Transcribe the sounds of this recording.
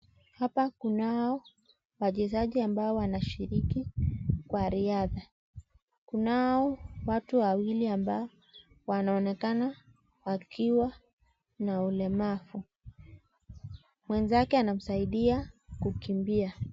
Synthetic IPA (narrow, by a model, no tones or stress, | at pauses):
hapakunaɔ | waʄɛzaʄiambaɔwanaʃiɾikikwaɾiaða | kunaɔwatuwawiliambaɔ | wanaɔnɛkana | wakʰiwa | naulɛmafu | mwɛnzakɛanam̩saiɗiakukimbia